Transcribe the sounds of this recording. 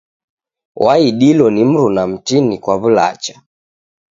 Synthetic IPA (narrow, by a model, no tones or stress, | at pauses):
wʔaiɗilɔnim̩ɾunam̩tinikwaβula̰t͡ʃḁ